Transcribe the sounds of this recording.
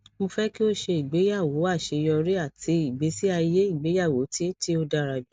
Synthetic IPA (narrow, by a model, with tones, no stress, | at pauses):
mõ˧fɛ˦ki˦o˦ʃe˧i˨ɡ͡be˨˦ja˦˨wo˨˦a˦˨ʃe˧jɔ˧ɾi˦a˦˨tʰi˨˧˦i˨ɡ͡be˨˦si˦a˧je˦i˦˨ɡ͡be˨˦ja˦˨wo˨˦ti˦ti˦o˧da˧ɾa˨bi˨˦